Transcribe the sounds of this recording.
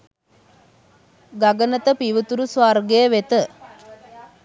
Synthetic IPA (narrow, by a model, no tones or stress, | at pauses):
ɡaɡənət̪əpiʋət̪uɾusʋarɡejəʋet̪ə